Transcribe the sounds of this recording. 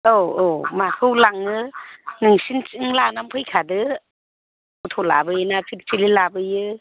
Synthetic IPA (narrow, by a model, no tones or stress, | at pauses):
oomakʰɯwlaŋɯnɯŋsint͡ʃɯŋlanampʰɯjkʰadɯ | utʰɔla̰bɯenapʰiɾtʰililabɯjɯ